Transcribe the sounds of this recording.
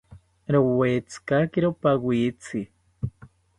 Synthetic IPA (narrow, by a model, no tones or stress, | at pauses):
ɾowet͡skakiɾopawit͡si